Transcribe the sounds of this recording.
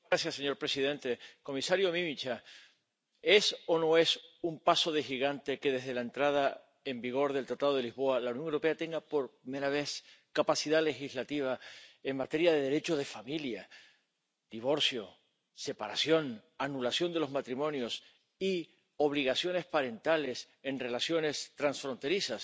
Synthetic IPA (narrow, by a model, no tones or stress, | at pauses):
asjasːe̞ɲo̞ɾpɾe̞siðẽ̞nt̪e̞ko̞misaɾjomĩmit͡ʃa | e̞so̞no̞e̞sumpaso̞ð̞e̞xiɣant̪e̞ke̞ðe̞zðe̞lae̞nt̪ɾað̞a | e̞mbiɣ̞o̞ɾðelt̪ɾat̪aðo̞ðe̞lizβo̞alaunjo̞ŋewɾo̞pe̞at̪eŋɡapo̞ɾpime̞ɾaβ̞e̞skapasiðale̞xizlat̪iβ̞aeŋmat̪e̞ɾjað̞e̞ðeɾe̞t͡ʃo̞ð̞e̞familja | d̪̥iβ̞o̞ɾsjo̞ | se̞paɾasjo̞nanulasjo̞nd̪elo̞zmat̪ɾimõ̞njo̞s | i | o̞β̞liɣasjo̞ne̞spaɾe̞nt̪ale̞s | e̞nre̞lasjo̞ne̞st̪ɾansfɾo̞nt̪e̞ɾisas